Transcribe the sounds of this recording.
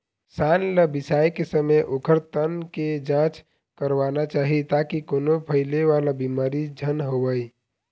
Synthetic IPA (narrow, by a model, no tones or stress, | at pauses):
sanləbisajkesəmejʔokʰəɾt̪ənked͡ʒãt͡ʃ | kəɾʋanat͡ʃaɦit̪akikonopʰəjleʋalabimaɾid͡ʒʱənɦobəj